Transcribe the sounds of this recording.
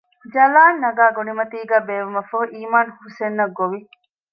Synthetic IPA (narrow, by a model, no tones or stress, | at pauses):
d͡ʒɐlaːnːɐɡaːɡonimɐt̪iːɡaːbeːʋumɐfɐɦuʔiːmaːnhusenːɐɡːoʋi